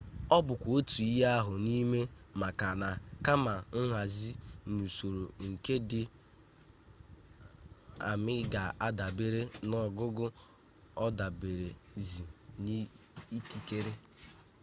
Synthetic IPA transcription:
ɔ˦bʊ˨kʷo˦tu˨i˦ɦa˦a˦ɦʊ˨ni˦me˦ma˨ka˨na˨ka˦ma˨ŋ̩˦ɦʷa˨zi˦nu˨so˨ɾo˨ŋ̩˨ke˦dɪ˦ | a̰˨mɪ˦ɡa˨a˦da˨be˦ɾe˦nɔ˨ɡʊ˦ɡʊ˦ | ɔ˦da˨be˨ɾe˨zi˨ni˦ | i˦ki˦ke˦ɾe˦

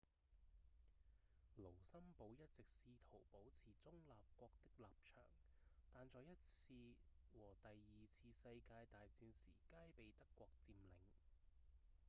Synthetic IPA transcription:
lo˨˩wsɐ˥mpo˨˥wjɐ˥t̚t͡sɪ˨k̚siː˧t̪ʰo˨˩wpo˨˥wt͡sʰiː˨t͡sʊ˥ŋlaː˨p̚kʷɔː˧k̚t̪ɪ˥k̚laː˨p̚t͡ʃʰœ̰ː˨˩ŋ | t̪aː˨nt͡sɔː˨˧jɐ˥t̚t͡sʰiː˧wɔː˨˩t̪ɐ˨jːiː˨t͡sʰiː˧sɐ˧jkaː˧jt̪aː˨jt͡siː˨˧nsḭː˨˩kaː˥jpe˨jt̪ɐ˥kːʷɔː˧k̚t͡siː˧mlɪ˨˧ŋ

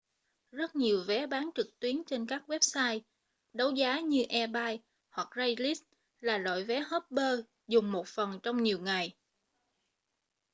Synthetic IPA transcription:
zə˦˥t̚ɲi˨˩əwvɛ˨˦ɓaː˨˦nt͡ɕɨ˨˩k̚t̪wi˨˦ənt͡ɕe˧nkaː˦˥k̚wɛ˦˥p̚saː˧j | ɗə˨˦wzaː˨˦ɲɨ˧ʔɛ˧ɓaː˧j | hwa˨˩k̚za˧jli˦˥s | laː˨˩lo̰˧˨jvɛ˨˦ɦə˦˥p̚ɓəː˧ | zʊ˨˩ŋ͡mmo˨˩t̚fə˨˩nt͡ɕɔ˧wŋ͡mɲi˨˩əwŋa˨˩j

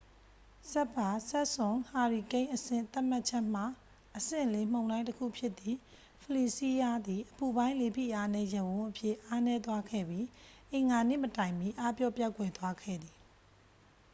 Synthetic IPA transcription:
sɛ˦pːa˨sɛ˦ʔsʊ̃˨ha˨ɹi˨kẽ˦ɪ̃ʔəsɪ̰̃˦˨nt̪a˦ʔm̥a˦ʔt͡ɕʰɛ˦ʔm̥a˦˨ | ʔəsɪ̰̃˦˨le˨m̥õ˨ʊ̃ndã˦ɪ̃təkʰṵ˦˨pʰjɪ˦t̪ːi˨ | pʰəli˨si˦ja˦d̪i˨ʔəpu˨bã˦ɪ̃le˨pʰḭ˦˨ʔa˦nɛ˦˨jə˨wʊ̃˦ʔəpʰjɪ˦˨ʔa˦nɛ˦t̪wa˦ɡʰɛ̰˦˨bji˦ʔɪ̃˨ŋɡa˨nḛ˦˨mətã˨ɪ̃mji˦ʔa˦pjɔ˦˨pja˦˨kwɛ˨t̪wa˦ɡʰɛ̰˦˨d̪ði˨

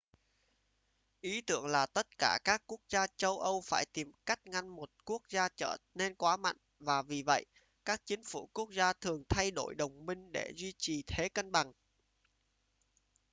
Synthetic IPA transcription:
ʔi˨˦t̪ɨ̰˧˨əŋlaː˨˩t̪ə˦˥t̚kaː˧˩kaː˦˥kːu˦˥ək̚zaː˧t͡ɕə˧wʔə˧wfaː˧˩jt̪i˨˩mka˦˥jk̟̚ŋa˧nmo˨˩t̚ku˦˥ək̚zaː˧t͡ɕəː˧˩ne˧nkwaː˨˦ma̰˧˨jŋvaː˨˩vi˨˩və̰˧˨j | kaː˦˥k̚t͡ɕï˨˦ŋ̟fṵ˧˩ku˦˥ək̚zaː˧t̪ʰɨ˨˩əŋt̪ʰa˧jɗo̰˧˩jɗə˨˩wŋ͡mmï˧ŋ̟ɗe˧˩zwi˧t͡ɕi˨˩t̪ʰe˨˦kə˧nɓa˨˩ŋ

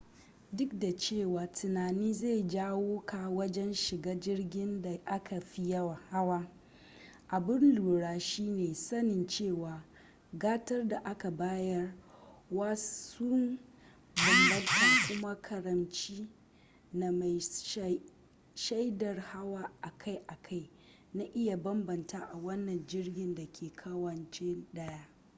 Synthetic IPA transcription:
dʊ˦k̚da˨t͡ʃeː˦˨waː˨tʰʊ˨naː˨niː˦za˦˨jd͡ʒaː˦woː˦ka˨wɐ˦d͡ʒɛ˦nʃɪ˨ɡaː˦d͡ʒɪ˦rɡʲɪ˦nda˨ʔa˦kʰa˨ɸi˦jɐ˦wa˨ha˦waː˦ | ʔa˨bɪ˦nluː˨ɽaː˨ʃiː˦neː˨sɐ˦nɪ˨nt͡ʃeː˦˨waː˨ | ɡaː˦tɐ˦rda˨ʔa˦ka˨baː˦jɐ˦rwaː˦sʊ˦n | bɐ˨lbɐ˦dɐ˦ŋkʷʊ˦ma˦kʰɐ˨ɾɐ˨mt͡ʃiː˦ | na˨ma˨j | ʃa˦jdɐ˨rha˦waː˦ʔa˨kʰa˦jʔa˨kʰa˦j | na˦ʔɪ˦ja˨bɐ˦mbɐ˨ntaː˦ʔa˨wɐ˦nːɐ˨nd͡ʒɪ˦rɡʲɪ˨nda˨kʲʰeː˨kʰɐ˦wɐ˨nt͡ʃɪ˦nɗɐ˦jaː˦

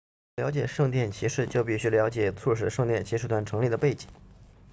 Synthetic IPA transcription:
jɑ˧˥ʊt͡ɕjɛ˨˩ʂɤ˥˧ŋt̪jɛ˥˩nt͡ɕʰi˧˥ʂɻ̩˥˩t͡ɕjo˥˧ʊpi˥˩ɕy˧˥ljɑ˧˥ʊt͡ɕjɛ˨˩t͡sʰɔ˥˩ʂ̬ɻ̩˥˩ʂɤ˥˧ŋt̪jɛ˥˩nt͡ɕʰi˧˥ʂɻ̩˥˩t̪ʰwa˥nʈ͡ʂʰɤ˧˥ŋli˥˩d̪ə˩pe˥˩ɪt͡ɕi˨˩˦ŋ

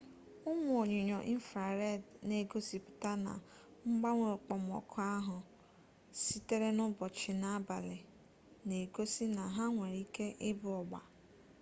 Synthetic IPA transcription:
ʊ˦ŋ˨˦o˨ɲɪ˨ɲɔ˨ʔi˦n̩˦fɾa˨ɾe˦˨dne˨ɡo˦si˨pʊ̥˨ta˦na̰˨ | ŋ͡m̩˦ɡ͡ba˦ŋʷe˨k͡pɔ˨m˨ɔ̰˨kʰʊ˦a˦ɦʊ˨ | si˦te˦ɾe˦nʊ˦bɔ˨t͡ʃɪ˨na˦a˦ba˨lɪ˨ | ne˨ɡo˦si˦na˨ɦa˦ŋʷe˨ɾi˦ke˦ʔɪ˦bʊ˨ɔ˨ɡ͡ba̰˨

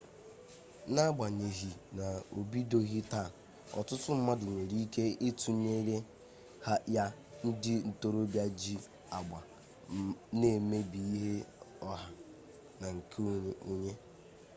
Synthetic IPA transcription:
na˦ɡ͡ba˨ɲe˨ɦi˨na˨o˨bi˦do˦ɣi˦ta˦˨ | ɔ̰˨tʊ˦tʊ˦m̩˦ma˦dʊ˨ŋʷe˨ɾi˦ke˦e˦tu˨ɲe˦ɾe˦ | ha˦ja˦ | n̩˦dɪ˦n̩˨to˦ɾo˦bja˦d͡ʒi˦ | a˨ɡ͡ba˨ | ne˦˨me˦bi˨i˦ɦe˦ɔ˦ɦa˨ | na˨ŋ̩˨kʰu˦ɲe˦

